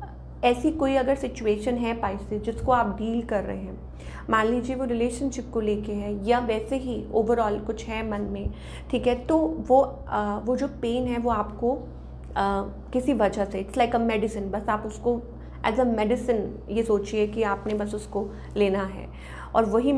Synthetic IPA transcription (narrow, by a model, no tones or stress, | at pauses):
ɛːsikoːiɐɡəɾsɪt͡ʃueːʃənɦɛpaːɪsɪsd͡ʒɪskoaːp̚ɖiːlkɐɾːɐ̰ɦeɦɛ̃ː | mãːnliːd͡ʒieʋoɾɪleːʃənʃɪp̚koleːkeɦɛjaʋɛːseɦio̰ːʋəɾɔːlkʊt͡ʃʰɦɛmɐnmẽ | ʈʰiːkɦɛt̪oʋo | ʋod͡ʒoːpeːnɦɛʋoaːpko | kɪsiʋɐd͡ʒaseɪʈslaɪkəmɛːɖɪsɪ̃nbɐsaːpʊsko | ɛ̰ːzəmɛɖɪsə̃n | jesoːt͡ʃiekiaːpnebɐsʊsko | leːnaɦɛ̰ː | ɔ̰ːɾʋɐɦi